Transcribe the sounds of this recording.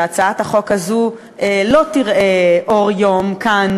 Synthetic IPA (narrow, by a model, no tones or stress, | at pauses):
at͡saathaχo̞kazu | elo̞tiʁʔeʔoʁjomkan